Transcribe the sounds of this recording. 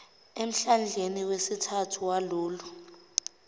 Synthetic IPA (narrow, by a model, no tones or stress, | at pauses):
em̩ɬand͡ɮʱeniwesitʰatʰuwaluːlu